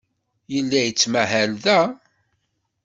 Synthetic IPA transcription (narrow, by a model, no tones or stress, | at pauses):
jəlːæjət͡sːmæɦælðæ